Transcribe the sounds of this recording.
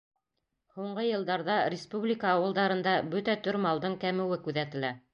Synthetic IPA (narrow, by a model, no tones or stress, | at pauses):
huɴɢɤjɤ̆lˠd̪ɑɾðɑɾʲɪspublʲɪkəːwɤ̆lˠd̪ɑɾɤ̆nd̪ɑbɵt̪æt̪ɵɾmɑlˠd̪ɤɴkæmɘ̆wɘkʉðæt̪ɘ̆læ